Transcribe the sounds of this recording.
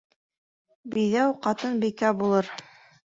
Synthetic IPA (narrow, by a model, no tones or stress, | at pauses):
bijðæwqɑt̪ɤnbikæbulˠɤɾ